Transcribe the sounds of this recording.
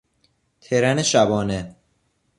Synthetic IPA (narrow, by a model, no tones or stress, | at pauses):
t̪ʰeɾæneʃæbɒːne